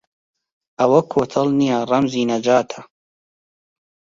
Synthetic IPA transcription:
ɐwɐkʰoːt̪ʰɐlnijarɐmziːnɐd͡ʒaːt̪ʰɐ̥

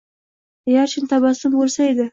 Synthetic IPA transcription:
jaɾt͡ʃʰɪnt̪ʰabasɪmbolˠsaed̪ɪ

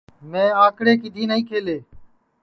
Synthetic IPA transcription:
mẽːãːkɽeːkɪd̪ʱiːnəĩːkʰeːleː

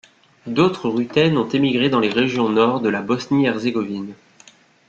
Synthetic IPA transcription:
d̪ot̪χəʁyt̪ɛnɔ̃t̪emiɡʁed̪ɑ̃leʁeʒjɔ̃nɔʁd̪əlabɔsniɛʁzeɡɔvin

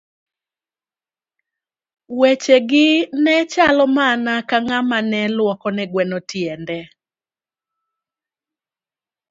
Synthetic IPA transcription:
wet͡ʃeɡɪnɛt͡ʃalɔmanakaŋamanɛlwɔkɔnɛɡwɛnɔtjɛndɛ

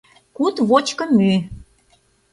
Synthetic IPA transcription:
kut̪βot͡ɕkɤ̆my

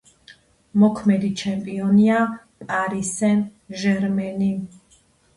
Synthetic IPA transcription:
mɔkʰmɛd̪it͡ʃʰɛmpʼiɔnia | pʼaɾisɛnʒɛɾmɛni

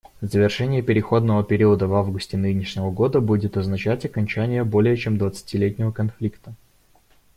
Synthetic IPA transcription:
zəvʲɪrʂɛnʲɪjəpʲɪɾʲɪxo̞d̪nəvəpʲɪɾʲiəd̪əvavɡʊsʲtʲɪnɨnʲɪʂnʲɪvəɡo̞d̪əbudʲɪt̪ɐznɐt͡ɕætʲɐkɐnʲt͡ɕænʲɪjəbo̞lʲɪjət͡ɕemd̪vət̪sɨ̥tʲɪlʲetʲnʲɪvəkɐnflʲikt̪ə

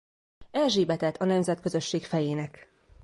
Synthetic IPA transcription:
ɛlʒeːbɛt̪ɛt̪ʰːɒnɛmzɛt̪kø̞zø̞ʃːeːkfɛjeːnɛk

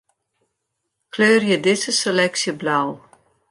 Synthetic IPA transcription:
kʰløːrjədɪzəselɛksjəblaw

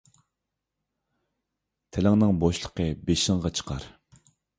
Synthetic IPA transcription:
t̪ʰelɛŋnɪŋboʃlˠə̥qʰəbeʃɪŋʁɑt͡ʃʰə̥qʰɑ̰ɾ

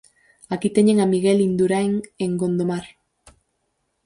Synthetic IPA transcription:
akit̪eɲeŋamiɣelind̪uɾaeŋeŋɡo̞nd̪omaɾ

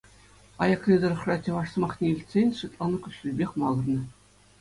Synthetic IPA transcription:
ɑjɑklʲid̪ɤ̆rɤ̆χrɑt̪ʲɤ̆ʋɑʂsɤ̆mɑχnʲeilʲtʲsʲenʲʂɯt̪lˠɑnɤ̆kʲuɕʲɘlʲbʲexʲmɑlˠɤ̆rnɤ̆

